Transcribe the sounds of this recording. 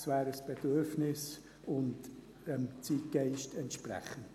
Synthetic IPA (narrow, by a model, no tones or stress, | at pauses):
svæːɾəsb̥ed̥øɾfnɪs | ʊnt | ɛmt͡siːtɡ̥aɪʃtɛntʃprɛ̰χən